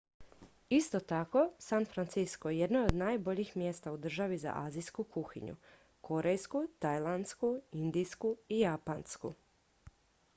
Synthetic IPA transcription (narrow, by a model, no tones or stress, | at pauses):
ist̪ot̪ako̞sanfɾant̪siskoeje̞d̪nood̪naːjbo̞ʎixmjest̪aud̪r̩ʒaʋiza̰ʔaːziskukuxḭɲṵ | koɾejskut̪ajlˠand̪skuind̪ijskuijapanskṵ